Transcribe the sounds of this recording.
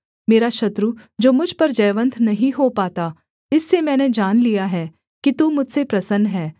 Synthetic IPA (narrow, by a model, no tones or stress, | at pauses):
meːɾaʃɐt̪ɾud͡ʒoːmʊd͡ʒʱpɐɾd͡ʒɐːʋə̃nt̪ʰnɐɦĩɦopaːt̪a | ɪsːemɛ̃ːned͡ʒaːnlijaɦɛː | kit̪umʊd͡ʒʱsepɾɐsənɦɛː